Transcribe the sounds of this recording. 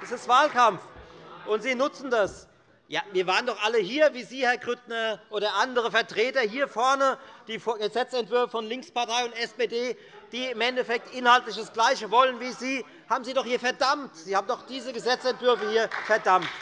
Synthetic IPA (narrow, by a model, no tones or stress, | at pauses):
ʔɛsɪstv̥aːlkamfʔʊntz̥iːnʊt͡sn̩das | jaːviːɐvaːʁəndɔχʔaləɦiːɐviːziːhɛɐɡʁʏtnɐʔoːɾɐʔandəʁ̞əfɛɐtʁ̥eːtɐhiːɐfɔɐnəd̥iːfɡəzɛt͡sɛntv̥ʏɐfəfɔnlɪŋkspaɐtʰaɪʊntɛspeːdeː | d̥iːɪmɛntɛfɛk̚tʔɪnhaltlɪçd̥asɡ̥laɪçəvɔlənviːziː | haːbm̩ziːdɔχhiːɐfɛɐdamtz̥iːhaːbm̩dɔχd̥iːzəɡəzɛt͡sɛntv̥ʏɐfəhiːɐfɛɐdamt